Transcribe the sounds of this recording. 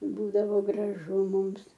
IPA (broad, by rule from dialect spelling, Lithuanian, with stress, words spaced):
ˈbuːdɐʋoː ɡrɐˈʒʊ ˈmʊms